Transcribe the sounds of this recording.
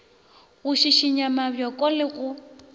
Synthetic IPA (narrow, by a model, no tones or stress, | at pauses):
ɣʊʃiʃiɲamabjɔkʼɔlɪɣʊ